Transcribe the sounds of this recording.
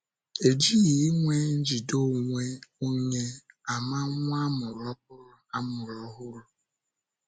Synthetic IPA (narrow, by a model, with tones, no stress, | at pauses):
e˨d͡ʒi˦ɣi˨˦ŋʷe˦n̩˦d͡ʒi˨do˦˨ŋʷe˦o˦ɲe˦ | a˨ma˦ŋʷ˦a˦mʊ˨ɾɔ˦p̚ʊ˦ɾʊ˨a˦mʊ˨ɾɔ˦ɦʊ˦ɾʊ˨